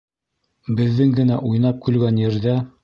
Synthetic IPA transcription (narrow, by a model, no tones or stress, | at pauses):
bɘ̆ðːɘŋɡɘ̆næʔujnɑp̚kʉlɡænjɘ̆ɾðæ